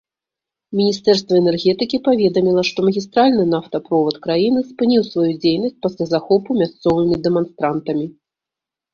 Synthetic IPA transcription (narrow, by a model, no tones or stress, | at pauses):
mʲinʲist̪ɛrst̪vɐɛnɛrɣʲɛt̪ɨkʲipavʲɛd̪ɐmʲilˠɐʂt̪ɔmɐɣʲist̪ɾalʲnɨnaft̪ɐpɾɔvɔt̪kɾajinɨspɨnʲiwsvajud͡zʲejnɐsʲtt͡s̚ʲpɐsʲlʲazaxɔpumʲast̪sɔvɨmʲid̪ɛmanst̪ɾant̪ɐmʲi